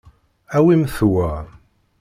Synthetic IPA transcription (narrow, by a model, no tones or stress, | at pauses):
æwimθwæ